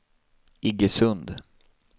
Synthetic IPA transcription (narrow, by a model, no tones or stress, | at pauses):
ɪɡəsɵnd̪